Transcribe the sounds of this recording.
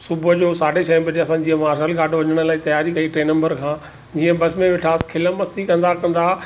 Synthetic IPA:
sʊbəd͡ʑoːsaːɖʱeʃɐɪ̃bɐd͡ʑeɐsãd͡ʑiːə̃maːɾʃəlɡʱaːʈoʋɐɲəɽ̃ə̆laːit̪ɐjaːɾikɐiʈɾeːnɐ̃mbəɾkʰãː | d͡ʑiːə̃bɐsmẽʋɪʈʰaːskʰɪləmɐst̪ikɐ̃nd̪akɐ̃nd̪aː

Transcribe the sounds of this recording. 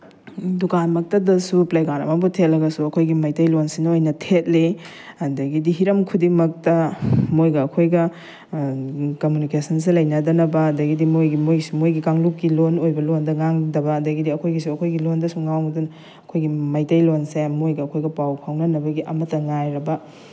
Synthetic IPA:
dukanmɐk̚tɐdɐsuplajɡaɾɐ̰mɐbutʰet̚lɐɡɐsuɐkʰojɡimɐjtɐjlonsinɐojnɐtʰet̚li | ɐdɐɡidiɦiɾɐmkʰudimɐk̚tɐmojɡɐːkʰojɡɐ | komjunikesɐns̬ilɐjnɐdɐnɐbɐɐdɐɡidimojɡimojsumojɡikaŋlukːilonojbɐlondɐŋaŋdɐbɐːdɐɡidiɐkʰojɡisuɐkʰojɡilondɐsuŋawndun | ɐkʰojɡimɐjtɐjlonsemojɡɐːkʰojɡɐpawkʰawnɐnɐbɐɡiʔɐmɐtːɐŋajɾɐbɐ

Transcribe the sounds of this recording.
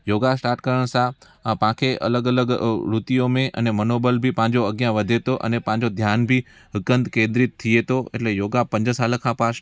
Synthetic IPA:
joɡasʈaːɾʈkəɾəɳ̃sã | pãkʰeʔə̰ləɡələɡɾut̪ijomẽʔə̰nemənobəlbʱipãːd͡ʒoəɡjãʋəd̪ʱet̪oʔə̰nepãːɲd͡ʒod̪ʱjanbʱi | ɦəkə̃nd̪kẽnd̪ɾɪt̪ʰːijet̪oḛʈlejoɡapə̃ɲd͡ʒəsaləkʰãpaʃ

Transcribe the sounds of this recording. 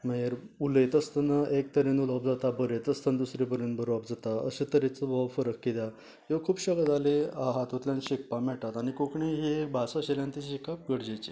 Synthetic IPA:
məjeɾ | ulet̪əst̪ənəʔek̚t̪əɾenulɔpd͡zat̪abəɾet̪əst̪ənd̪usɾebəɾenbəɾɔpd͡zat̪aə̰ɕet̪əɾet͡səbʱɔʋfəɾəkːit̪a | jekʰuːpɕəɡad͡zaleaɦat̪ot̪ljanɕik̚pamɛʈat̪aɽ̃ikokɳiɦebʱasaɕeljãnt̪iɕikap̚ɡəɽd͡ʑet͡ɕe

